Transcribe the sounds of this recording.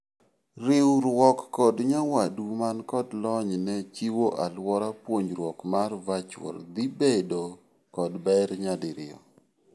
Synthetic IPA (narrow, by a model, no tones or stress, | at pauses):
ɾɪwɾwɔkːɔdɲawadumankɔdlɔɲnɛt͡ʃiwoʔalwɔɾapwoɲɾwɔkmarvat͡ʃwɔ̰ld̪ibedo | kɔdbɛɾɲadɪɾɪ̰ɔ̰